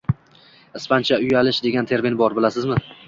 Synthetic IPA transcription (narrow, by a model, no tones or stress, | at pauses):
ɪspant͡ʃʰaʊjalɪʃd̪e̞ɡʲant̪ʰe̞ɾminbɒɾbɪlasɪzmɪ